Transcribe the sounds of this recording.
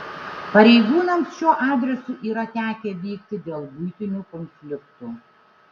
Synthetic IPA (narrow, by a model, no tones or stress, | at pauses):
pɐɾʲɛɪɡuːnɐmsʃʲuɔʔɑːd̪ʲɾʲɛsʊʔiːɾɐt̪ʲæːkʲeːʋʲiːkt̪ʲɪd̪ʲeːlˠbʊjt̪ʲɪnʲuːˑkɔnʲfʲlʲɪkt̪uː